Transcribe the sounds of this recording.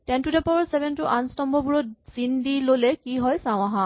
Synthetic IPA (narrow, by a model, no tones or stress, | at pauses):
tɛ̃ntudɛpɔɹsebʱɛntuʔanstɔmbɔbuɹɔtz̥indilolɛkiɦɔjsãw̃aɦã